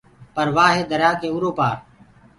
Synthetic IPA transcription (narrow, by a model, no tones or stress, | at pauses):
pəɾʋaːɦeːd̪əɾjaːkeːuːɾoːpaːɾ